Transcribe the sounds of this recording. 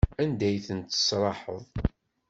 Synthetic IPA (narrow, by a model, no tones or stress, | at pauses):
ænd̪æjθənt̪ə̥sɾˤɑħəðˤ